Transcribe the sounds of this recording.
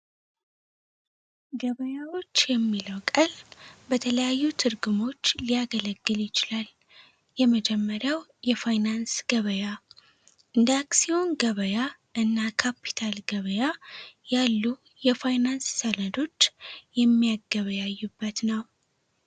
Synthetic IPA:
ɡəβəjawo̞t͡ʃːjɛmːiləwkʼəlbət̪ʰələjajːut̪ʰɨɾɡumo̞t͡ʃːlijaɡələɡːɨljɪt͡ʃɪlal | jɛməd͡ʒɛmːəɾjawjɛfajnansɡ̥əβəja | ʔɨnd̪aksio̞nɡəβəjaʔɨnːakʰapʰːi̥t̪ʰalɡəβəjajalːu | jɛfajnansːələd̪o̞t͡ʃːjɛmːijaɡːəβəjajːubːət̪nəw

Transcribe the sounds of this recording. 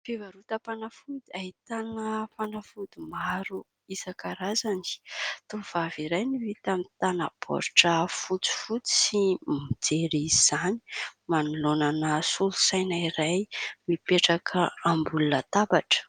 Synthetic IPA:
fevaɾut̪apanafud̪iaɦit̪anəfanafud̪imaɾu | izakaɾazani̥t̪ov̥aviɾajnivit̪amit̪anab̥o̰ɾʈ͡ʂəfut͡si̥fut͡si̥simid͡zeɾiziz̥animanulonanəsulu̥sajnaiɾajmipeʈ͡ʂakʰəambulunət̪abaʈ͡ʂə̥

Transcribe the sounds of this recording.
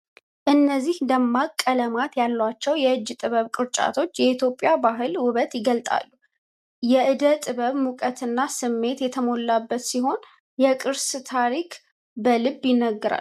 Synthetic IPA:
ʔɨnːəzːihd̪əmːakʼːələmat̪jalːwat͡ʃːɛwjɛɨd͡ʒːt̪ʼɨβəβkʼɨɾt͡ʃʼa̰t̪ʰo̞t͡ʃːjɛit̪jo̞pʼːɪjabaɦɨlwʊβət̪jɪɡəlt̪ʼa̰lːu | jɛʔɨd̪ət̪ʼɨβəβmukʼət̪ʰɨnːasɨmːe̞t̪jɛt̪ʰəmo̞lːabːət̪siɦo̞n | jɛkʼɨɾst̪ʰaɾikʰ | bəlɨbjɪnːəɡːəɾa̰l

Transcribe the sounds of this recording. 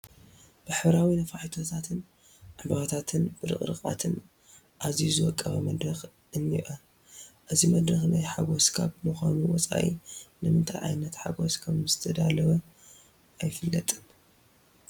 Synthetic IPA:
b̥ɨħɨβɾawinɐfaħit̪ʰo̞t̪ʰat̪ʰɨn | ʕɨbɐɣɐt̪ʰat̪ʰɨnb̥ɨɾɨ̰χʼɾɨkʼa̰t̪ʰɨn | ʔazizɨwɔkʼːɐβɐmɐd̪ɾɐx | ʔɨnːiʔo | ʔɨzimɐd̪ɾɐxnajħaɡo̞skʰaβmɨxʷanuwɔt͡sʼa̰ʔḭnɨmɨnt̪ʰa̰jʕa̰jnɐt̪ħa̰ɡoskʰɐmzɨt̪ʰɐd̪alɐβɐ | ʔajfɨlːɐt̪ʼɨm

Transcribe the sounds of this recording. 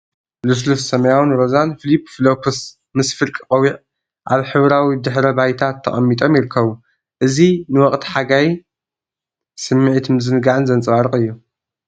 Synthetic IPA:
lus̬lufsɐmɐjawɨnɾozanfilipflokʰus | mɨsfɨlkʼɨqʼɐwiʕ | ʔaβħɨβɾawid̪ɨħɾɐbajt̪ʰat̪ʰːɐχʼɐmːit̪ʼo̞mjɪɾɨkʰːɐβu | ʔɨzinɨwɔχʼt̪ʰi̥ħaɡaj | sɨmːɨʕit̪mɨzɨnɨɡaʕɨnzɐnt͡sʼwaɾɨχʼɨjːu

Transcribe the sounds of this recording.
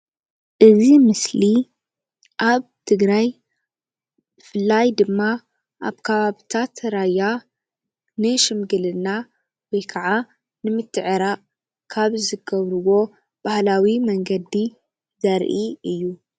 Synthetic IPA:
ʔɨzimɨsli | ʔaβt̪ʰɨɡɾaj | bɨfɨlːajd̪ɨmːa | ʔaβkʰɐβaβit̪ʰat̪ɾaja | nɨʃɨmɡɨlɨnːa | wɔjkʰɐʕa | nɨmɨt̪ʰːɨʕɨɾa | kʰaβzɨɡɐβɾɨwo̞ | b̥ahlawimɐŋɡɐd̪ːi | zɐɾʔiɨjːu

